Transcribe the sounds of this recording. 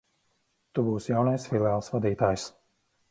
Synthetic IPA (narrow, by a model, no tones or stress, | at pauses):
t̪ubuːsjawnajsfilˠɛaːlˠsvad̪iːt̪aːjs